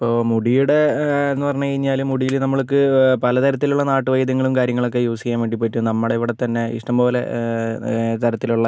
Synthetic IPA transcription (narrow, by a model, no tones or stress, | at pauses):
ɐɐpːo̞ːmuɽijuɽe̞enːupɐrɐɲːuɐiɲːaːlumːuɽijilnɐmːɐɭok̬ːɨpɐlɐt̪ɐɾɐt̪̬ːiluɭːɐnaːʈːɨʋɐjd̪ɐŋːɐɭumkaːɾjɐŋːɐɭo̞k̬ːejuːsikʲːaːnʋe̞ːɳɖipːeʈːunɐmːuɽeiʋiɽet̪ɐnːe̞ḭʂʈɐmpo̞ːle̞̰ | t̪ɐɾɐt̪ːiluɭːɐ